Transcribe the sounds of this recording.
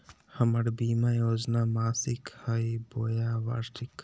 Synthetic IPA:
hɐmɐɽbiːmajoːd͡ʒnaːmaːsikhɐiboːjaːʋa̰ɾʈʰik

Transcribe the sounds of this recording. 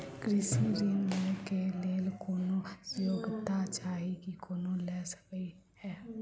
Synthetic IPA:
kɾɪsnɾinmẽkeleːlkoːnojoːɡt̪at͡ʃaːɦikikoːnolɛːsə̥kəi | hɛː

